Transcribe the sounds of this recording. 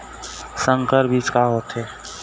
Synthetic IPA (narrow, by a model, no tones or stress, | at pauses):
sə̃ŋkəɾbʱiːt͡ʃkaɦoːt̪ɦeː